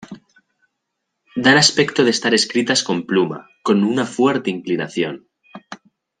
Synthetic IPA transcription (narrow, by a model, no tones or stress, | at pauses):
d̪anaspe̞kt̪oð̞est̪aɾe̞skɾit̪asko̞mpluma̰ko̞nunafwe̞ɾt̪e̞iŋklinaθjo̞n